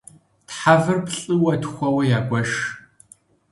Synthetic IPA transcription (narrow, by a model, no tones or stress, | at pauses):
tħavɨrpɬʼɨwɐtʰxʷɐwɐjaːɡʷʼɐʃ